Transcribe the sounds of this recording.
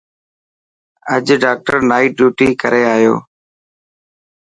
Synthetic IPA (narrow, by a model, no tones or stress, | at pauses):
əd͡ʒɖaːk̚ʈəɾnaːiːɖjuːʈiːkəɾeːaːɦjo̰ː